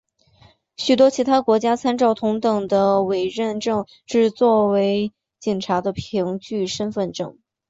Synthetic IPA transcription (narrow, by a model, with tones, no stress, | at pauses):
ɕy˨˩t̪wɔ˥t͡ɕʰi˧˥t̪ʰa˥kwɔ˧˥t͡ɕja˥t͡sʰa˥nʈ͡ʂɑ˥˩ʊt̪ʰʊ˧˥ŋt̪ɤ˨˩ŋd̪ə˦we˨˩ɪɻə˥˧nʈ͡ʂɤ˥˧ŋ | ʈ͡ʂɻ̩˥˧t͡swɔ˥˩we˧˥ɪ | t͡ɕi˨˩ŋʈ͡ʂʰa˧˥d̪ə˧pʰi˧˥ŋt͡ɕy˥˩ʂə˥nfə˥˧nʈ͡ʂɤ̰˥˩ŋ